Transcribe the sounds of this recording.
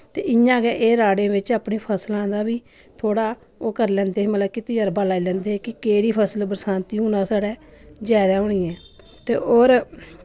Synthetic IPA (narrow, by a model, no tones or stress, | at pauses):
t̪eːʔɪjãːɡɛːʔeːɾaːɽẽːbɪt͡ʃaːpniːpʰəslãːnd̪aːbiː | t̪ʰoːɽaː | oːkəɾlɛ̃ːnd̪eːmələbkɪt̪ɪjaːɾbaːlaːiːlɛ̃ːnd̪eːkɪkeːɽiːpʰəsəlbəɾsãːnt̪iːuːnãːsaːɽɛːd͡ʒaːd̪aːɦʊːɳiːɛ̃ː | t̪eːoːɾ